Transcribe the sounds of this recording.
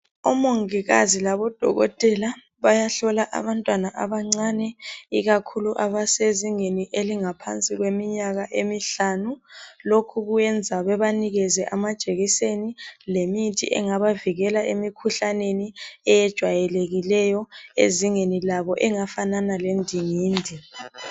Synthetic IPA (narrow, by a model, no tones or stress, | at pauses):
umoŋiɣa̰zilaβɔd̥ʱɔ̰ɣɔ̰tʼɛla | βajaɬɔlaʔa̰βantʼwanaʔaβaŋ͡ǀanɛiɣakʰuluʔaβaseziŋeniʔeliŋapʰa̰nt͡sʼiɣwemiɲaɣaʔemiɬanulokʰuɣujɛnd͡zʱaβɛβaniɣɛzɛʔamad̥ʒ̥ʼʱeɣisenilemitʰḭʔɛ̰ŋaβaviɣɛlaʔemikʰuɬaneniɛjɛd̥ʒ̥ʱwajɛleɣilɛjɔḛziŋenilaβɔʔɛŋafananalendʱiŋiːndʱi